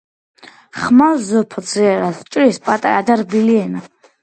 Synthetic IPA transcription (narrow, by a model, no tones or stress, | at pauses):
χmazɔpʰd̪ziɛɾast͡ʃʼɾispʼat̪ʼaɾad̪aɾbiliɛna